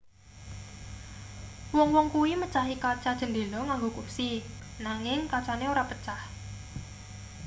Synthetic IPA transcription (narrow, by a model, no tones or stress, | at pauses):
wɔŋwɔŋkuwimət͡ʃaɦikat͡ʃad̥ʒ̥ə̤nd̪e̤lɔŋaŋɡokupsinaŋɪŋkat͡ʃaneoɾapət͡ʃah